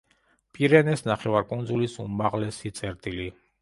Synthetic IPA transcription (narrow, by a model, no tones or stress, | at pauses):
pʼiɾɛnɛsnaχɛvaɾkʼund̪zulisumaʁlɛsit̪sʼɛɾt̪ʼili